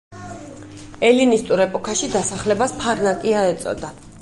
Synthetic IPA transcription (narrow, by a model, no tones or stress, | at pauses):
ɛlinist̪ʼuɾɛpʼɔkʰaʃid̪asaχlɛbaspʰaɾnakʼiaɛt̪sʼɔ̰d̪a